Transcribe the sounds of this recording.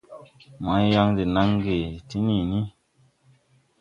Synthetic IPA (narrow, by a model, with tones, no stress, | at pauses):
ma˨˦jja˧ŋdi˨na˦ŋɡe˨ti˦ni˨ni˦